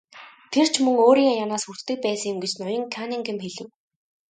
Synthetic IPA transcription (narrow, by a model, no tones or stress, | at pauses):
t̪ʰer̥t͡ɕʰmɵŋoːɾiːŋjanaːsxur̥t̪ʰt̪ɘ̆k̚pæːsə̆ŋjʊ̆mɡet͡ɕnʊjɞ̆ŋkʰanĭŋɡɘ̆mxeɮɘ̆w